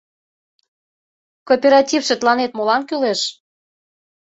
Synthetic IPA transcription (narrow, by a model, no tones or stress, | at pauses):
kopʲeɾɑtʲifʃĕt̪lɑnet̪̚molɑnkyleʃ